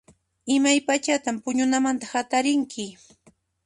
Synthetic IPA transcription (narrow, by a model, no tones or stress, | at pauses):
ɪmajpat͡ʃat̪ampʊɲʊnamant̪ahat̪aɾɪŋkʰɪ